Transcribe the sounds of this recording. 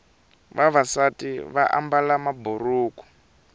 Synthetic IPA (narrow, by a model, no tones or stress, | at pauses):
βaβasatiβa̰ʔa̰mbalamaburuːku̥